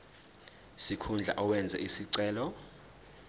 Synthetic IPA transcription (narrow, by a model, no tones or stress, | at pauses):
sikʰund͡ɮʱa̰ʔɔwɛnd͡zʱɛ̰ʔisiǀɛːlɔ